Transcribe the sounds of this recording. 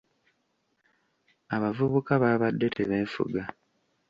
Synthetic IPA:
aβavuβukaβaːβadːe̞tʰe̞βeːɱfṵɡa

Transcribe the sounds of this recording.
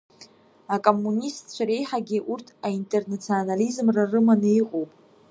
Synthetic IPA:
akʼo̞mːunʲistʰʼt͡ʃʷʰaɾe̞jħaɡʲɪʔurtʰaintʼernat͡sʰionalizmrarɨmanɨiqʼowpʼ

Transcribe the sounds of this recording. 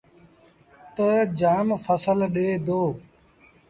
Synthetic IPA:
t̪əd͡ʒaːmfʰəsəlɗeːd̪oː

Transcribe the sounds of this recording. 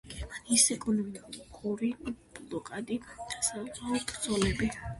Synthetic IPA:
ɡ̥ɛɾmaniːsɛkʼunɔinikʰʼuɾiblɔkʼad̪iasɛaɔpʰʼɾd̪zɔlɛbi

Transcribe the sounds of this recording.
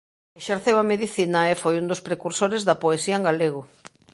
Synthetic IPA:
eʃeɾθewameðiθinaefojund̪ospɾekuɾsoɾezðɐpoesiɐeŋɡaleɣ̞o

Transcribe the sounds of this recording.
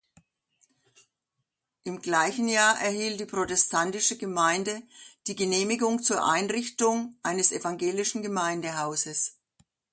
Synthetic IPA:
ʔɪmɡlaɪçn̩jaːɐʔɛɐhiːltd̥iːpʁ̥otɛstʰantɪʃəɡəmaɪndəd̥iːɡəneːmɪɡʊŋt͡suːɐʔaɪnʁɪçtʊŋʔaɪnəsʔevaŋɡeːlɪʃn̩ɡəmaɪndəɦaʊzəs

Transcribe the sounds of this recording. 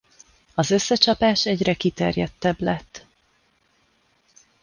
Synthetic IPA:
ɒzø̞sːɛt͡ʃɒpaːʃɛɟrɛkit̪ɛ̰rjɛt̪ːɛblɛt̪ː

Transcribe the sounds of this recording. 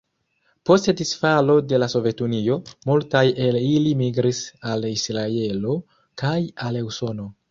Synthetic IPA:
po̞stedisfalo̞de̞laso̞ve̞tunio̞multaje̞lilimiɡɾisalisɾae̞lo̞ | kajaleuso̞no̞

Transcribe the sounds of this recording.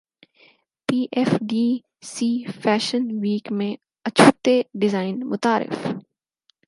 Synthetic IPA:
piːʔɛfɖiː | siːfɛːʃənʋiːkmẽ | ɐt͡ʃʰuːt̪eɖɪzaːɪnmʊt̪aːɾɪ̰f

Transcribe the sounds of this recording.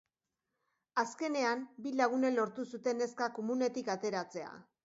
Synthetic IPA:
aske̞ne̞ambilaɣ̞une̞lo̞ɾt̪usut̪e̞ne̞skako̞mune̞t̪ikat̪e̞ɾat͡se̞a̰

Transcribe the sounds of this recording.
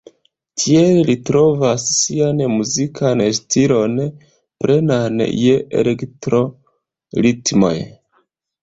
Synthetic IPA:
tʰiellitɾo̞vasːianmuzikʰanstʰilo̞n | pɾe̞nanjeḛlektɾo̞ | ɾitmo̞̰j

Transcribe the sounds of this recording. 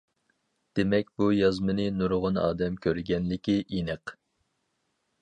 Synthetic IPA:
d̪̥emɛk̚ʲbujɑzmɨnɨnuɾʁʊnɑ̰ːd̪ɛmkʲʰøɾɡʲɛnlɪkʲiʔinəq

